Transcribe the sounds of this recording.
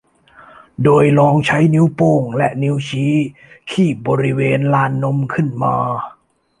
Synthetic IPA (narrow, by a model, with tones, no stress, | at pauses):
doː˧jlɔː˧ŋt͡ɕʰa˦˥jni˦˥wpoː˧˩ŋlɛ˦˥ʔni˦˥wt͡ɕʰiː˦˥ | kʰiː˥˩p̚bɔː˧ɾi˦˥weː˧nlaː˧˥nːo˧˥mkʰɯ˥˩nmaː˧